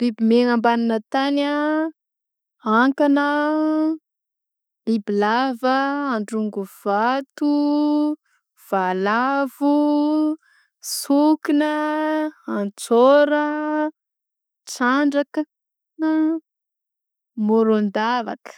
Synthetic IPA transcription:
libimeŋambaninət̪ana | aŋkanə | libilavəaɳɖ͡ʐuŋɡuv̥at̪u | v̥alavu | sukinə | ant͡soɾə | t͡saɳɖ͡ʐakə | moɾond̪ava̰kə̥

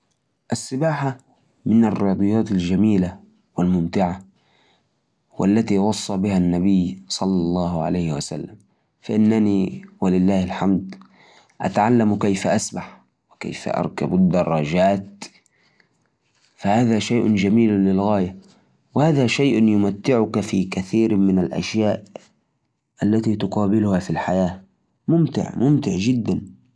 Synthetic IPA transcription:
ʔasːɪbaːħa | mɪnarːɪɑːd̪ˤɨjɑːt̪ˤald͡ʒamiːla | walmʊmt̪ɪʕa | wʔa̰lːat̪iːwɑsˤːɑbɪhanːabɪjːsˤɑlːɑlˤːɑːɦʕa̰lajhɪwasa̰lːam | faʔɪnːaniːwalɪlːaːhɪlħamd̪ | ʔa̰t̪aʕalːamkajfaʔasbaħ | wɪka̰jfa̰ʔɑ̰ɾˤka̰bʊd̪ːɑrˤːɑd͡ʒaːt̪ | fahaːðaːʃajʔʊd͡ʒamiːllɪlɣaːja | wɪhaːðaːʃajʔnjʊmat̪ːɪʕʊkafiːkaθiːɾmɪnalʔa̰ʃjaːʔ | ʔalːat̪iːt̪ʊqɑːbɪlʊhafilħajaː | mʊmt̪ɪ̰ʕmʊmt̪ɪʕd͡ʒɪd̪ːan

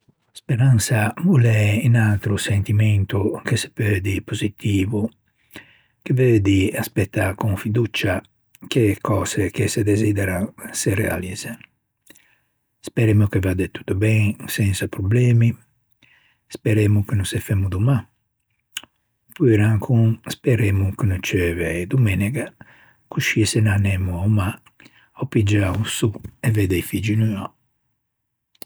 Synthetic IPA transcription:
spɛɾansavulɛinalt̪ɾusent̪imɛnt̪ukese̥pøːd̪ipozit̪iːvu | kevøːd̪iaspɛt̪ːakuŋfid̪ut͡ʃa | kekɔːz̥ekesed̪ezid̪ɛɾasɛrɛa̰ːliz | spɛɾɛːmukevad̪ɛt̪u̥t̪ːubɛŋsɛnsapɾublɛːmi | spɛɾɛmukənũsɛfɛmud̪uma | puɾaŋkʰunspɛɾemukənut͡ʃɛvɛjd̪umɛnɛɡa | kuʃiɛsɛnanɛmuauma | ɔpid͡ʒausuɛvɛd̪ɛjfid͡ʒinya

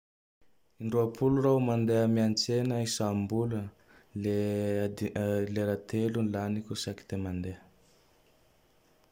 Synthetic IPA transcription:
iɳɖ͡ʐuapʰulurawmand̪eəmiant͡senəisambulə | le | leɾat̪elunlanikʲusaki̥t̪emand̪eə

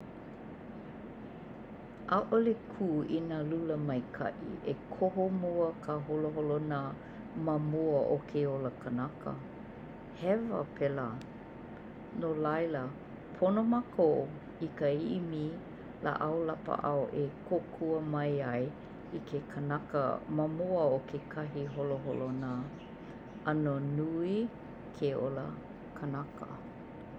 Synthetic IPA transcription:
ʔaʔolekʰuːinaluləmɐjkʰɐ̰ʔḭʔekʰoɦomoəkʰaɦoloɦolona | mamoəʔokʰeoləkʰənakʰə̰ | hɛvə̰pʰela | nolajlə | pʰonomakʰoʔ | ikəiʔimi | la̰ʔɐwlapə̰ʔɐwʔekʰokʰuəmɐjɐj | ikʰekʰənɐkə̰mɐmuəokʰekʰɐɦiɦoloɦolona | ɐnonui | kʰeo̰lə̰ | kʰənɐkə̰

